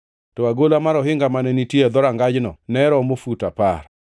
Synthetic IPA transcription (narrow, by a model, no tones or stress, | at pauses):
tɔaɡolamaɾɔɦɪŋɡamanɛnitjed̪ɔɾaŋɡad͡ʒnɔ̰nɛɾɔmofutapa̰r